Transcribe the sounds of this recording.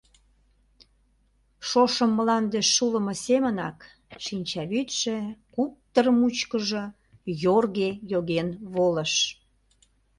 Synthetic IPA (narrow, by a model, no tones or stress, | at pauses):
ʃoʃəmːəlɑnd̪eʃːuləməsemənɑ̰k | ʃinʲt͡ɕɑβyt̪ʃekup̚t̪ərmut͡ɕkəʒə | jorɣejoɣenβoləʃ